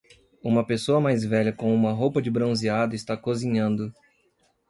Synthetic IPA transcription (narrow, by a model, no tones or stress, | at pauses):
ũmɐpesoɐmajzvɛʎɐkõũmɐɦowpɐd͡ʒɪbɾõziad̪ʊɪst̪akozĩɲɐ̃nd̪ʊ